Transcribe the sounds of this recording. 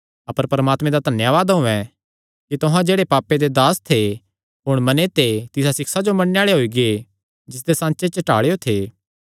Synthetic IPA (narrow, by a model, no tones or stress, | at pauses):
ɐpəɾpɾəmaːt̪mẽd̪ad̪ʱɐnjaʋaːd̪ɦʊ̃ɛ̃ | kit̪ʊɦãd͡ʒeːɽepaːped̪ed̪aːst̪ʰe | ɦʊɽ̃mɐnet̪et̪ɪsasɪksad͡ʒomɐɽneaːɭeɦoːiɡee | d͡ʒɪs̬d̪esãːnt͡ʃet͡ʃəʈa̰ːɭeot̪ʰeː